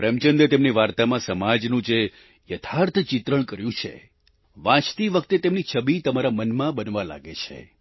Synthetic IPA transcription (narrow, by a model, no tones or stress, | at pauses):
pɾemt͡ʃənd̪et̪emniʋaɾt̪amãsəmad͡ʒnũd͡ʒe | jət̪ʰaɾt̪ʰt͡ʃɪt̪ɾəɳ̃kəɾjũt͡ʃʰḛ | ʋãt͡ʃt̪iʋəkʰt̪et̪emnit͡ʃʰəbit̪əmaɾamənmãbənʋala̰ɡet͡ʃʰḛ